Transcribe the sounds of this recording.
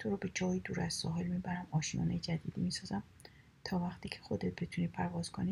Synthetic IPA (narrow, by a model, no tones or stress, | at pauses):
t̪ʰoɾɒːbe̞d͡ʒɒːjid̪uːɾæzsɒ̰ːɦelmiːbæɾæmɒːʃijɒ̰ːnejd͡ʒæd̪ḭːd̪ḭmisɒːzæm | t̪ʰɒːvæxt̪ʰiːcʰe̞xo̞d̪et̪̚be̞t̪ʰuniːpʰæɾvɒːz̥kʰoni